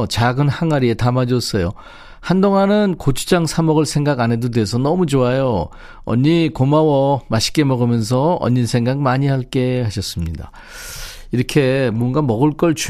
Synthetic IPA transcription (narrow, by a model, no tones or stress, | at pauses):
t͡ɕaɡɯnhaŋaɾie̞tamad͡ʑʌs͈ʌjo | handoŋanɯnkot͡ɕʰu̥d͡ʑaŋsʰamʌɡɯɭsʰe̞ŋɡaɡanɦe̞dodeɦesʰʌnʌmud͡ʑoajo | ʌ̰ɲːikomawʌmaɕʰi̥k͈e̞mʌɡɯmjʌns̬ʰʌʌ̰ɲːinsʰe̞ŋɡaɡ̚maɲihaɭk͈e̞haɕʰʌs͈ɯmɲida̰ | iɾʌkʰe̞muʌnɡamʌɡɯɭk͈ʌɭt͡ɕu